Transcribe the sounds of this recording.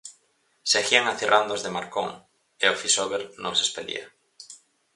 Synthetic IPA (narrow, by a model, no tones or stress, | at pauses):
seaxiaŋaθirʔand̪ozðemaɾkoŋ | eofisoβeɾnõŋsespelḭa